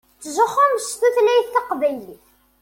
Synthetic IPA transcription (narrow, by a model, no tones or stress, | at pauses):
t͡sːʒəχʊmst̪uθlæjθːɑqbæjliθ